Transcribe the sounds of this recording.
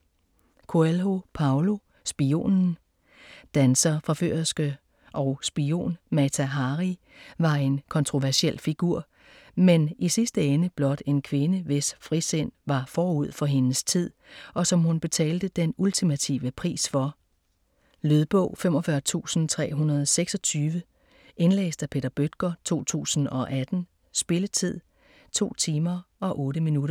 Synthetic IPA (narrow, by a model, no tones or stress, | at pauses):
kʰoelɦo̝pʰɑ̈ʊlo̝ | sb̥io̝̰ːnn̩ | d̥ænsɐfʁɑ̈fø̰ɐsɡ̥ə | ʔɒ̽ʊsb̥io̝̰ːnmæt͡sʰæɦɑ̈ʁi | ʋɑ̈e̝nkʰɒ̽nt͡sʰʁo̝ʋæɐsiel̰fiɡ̥uɐ̰ | menisisd̥əenəb̥lɒ̽d̥e̝nkʰʋe̝nəʋe̝sfʁisen̰ʋɑ̈fɒːuð̞̰ˠfɒ̽ɦe̝nəst͡sʰið̞̰ˠʔɒ̽sɒ̽mhunb̥e̝t͡sʰɛ̰ːld̥əd̥enult͡sʰimæt͡sʰḭːʋəpʰʁḭːsfɒ̽ | løð̞ˠb̥ɔ̽ʊ̰fem̰ɒfɶɐt͡sʰṵːsn̩t͡sʰʁɛ̰ːɦunɐðˠseɡ̥sɒ̽t͡sʰyːʋə | ʔe̝nlḛːsd̥æpʰe̝ːd̥ɐb̥ød̥ɡ̥ɐt͡sʰo̝̰ːt͡sʰṵːsn̩ɒ̽ʔæd̥n̩ | sb̥e̝lət͡sʰið̞̰ˠ | t͡sʰo̝̰ːt͡sʰiːmɐɒ̽ʔɔ̽ːɾəminuɾɐ